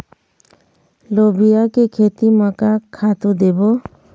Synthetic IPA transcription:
lɔbijakekʰet̪imakakʰːat̪ud̪ɛbɔ

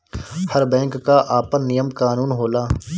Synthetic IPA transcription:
hɐɾbɛ̃ːŋkːaʔaːpənːijəmkaːnuːnɦoːlaː

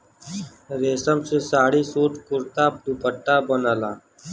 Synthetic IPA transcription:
ɾeːsəmsesaːɽisoːʈkʊɾt̪aːp̚ɖ̪upəʈːabənaːlaː

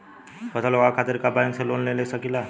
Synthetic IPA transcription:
pət̪aloɡakʰat̪iɾkabajnselonlelesəkila

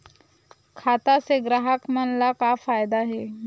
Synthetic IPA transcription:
kʰat̪aseɡɾaɦakmənlakafajd̪aɦe

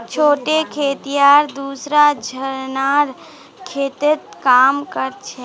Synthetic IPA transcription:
t͡ʃʰoːʈekʰeːt̪ijaɾd̪uːsɾad͡ʒʱəɾnaɾ | kʰeːt̪et̪̚kaːmkəɾt͡ʃʰɛ

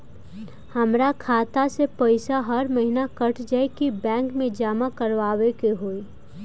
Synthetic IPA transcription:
hɐmɾakʰaːt̪asepoɪsaɦɐɾmɐɦɪnakɐʈʰd͡ʒaekibɛ̃ːŋkmẽd͡ʒaːmakɐɾʋaːwekeɦoːi

